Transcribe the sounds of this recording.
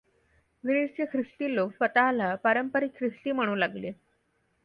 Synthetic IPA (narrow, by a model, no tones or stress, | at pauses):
ʋinit͡ɕekʰɾist̪iːloksət̪alapəɾəmpəɾikʰɾist̪iːm̤əɽ̃uːlaɡle